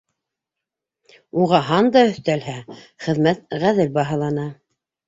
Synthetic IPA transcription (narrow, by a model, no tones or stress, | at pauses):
uʁɑɦɑnd̪ɑɵ̆θt̪ælɦæχɘ̆ðmæt̪̚ʁæðɘlbɑɦɑ̆lˠɑnɑ